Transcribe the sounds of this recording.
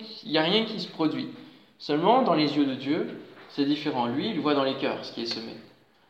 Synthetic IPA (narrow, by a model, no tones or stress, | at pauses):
iljaʁjɛ̃kʲisə̥pχɔd̪ɥi | sœlmɑ̃d̪ɑ̃lezjød̪əd̪jøsɛd̪ifeʁɑ̃lɥiːlvwad̪ɑ̃lekʲœ̰ːʁsə̥kʲiɛsəmḛ